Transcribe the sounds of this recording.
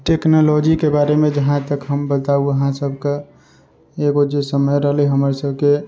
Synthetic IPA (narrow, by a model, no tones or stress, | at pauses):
ʈeknolod͡ʒikebaɾemẽd͡ʒəɦãt̪əkɦəmbət̪auəɦãsəbʱke | eɡod͡ʒesəməjɾəɦəlɦəmɾesəbʱke